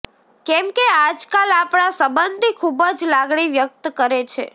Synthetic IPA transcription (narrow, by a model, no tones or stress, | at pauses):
kɛmkead͡ʒkalapɽ̃asəbənd̪ʱikʰubəd͡ʒlaɡɳiʋjək̚t̪kəɾet͡ʃʰḛ